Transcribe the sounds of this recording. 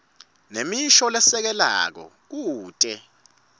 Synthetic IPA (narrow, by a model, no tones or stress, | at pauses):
nemiʃɔlɛsɛk̬ɛla̰k̬ɔ̰ | k̬uːtʼɛ